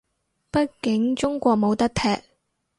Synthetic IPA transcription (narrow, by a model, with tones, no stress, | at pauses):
pɐ˥t̚kɪ˨˥ŋt͡ʃt͡sʊ˥ŋkʷɔː˧k̚mo˨˧wt̪ɐ˥k̚t̪ʰɛː˧k̚